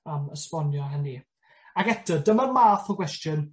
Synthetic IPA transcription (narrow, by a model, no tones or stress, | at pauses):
əməspɔnjɔɦɛni | aɡɛtʰədəmərmaːθɔɡwɛstjən